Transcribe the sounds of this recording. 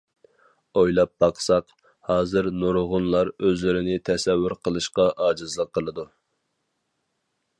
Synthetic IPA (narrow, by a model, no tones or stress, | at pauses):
ojlˠɑp̚b̥ɑqsɑq | hɑːzɨɾnuɾʁʊnlˠɑɾøzlɪɾɪnɪt̪ʰɛsɛwːyɾqʰəlˠɨʃqɑʔɑːd͡ʒɨzlˠəqʰːəlˠɨd̪u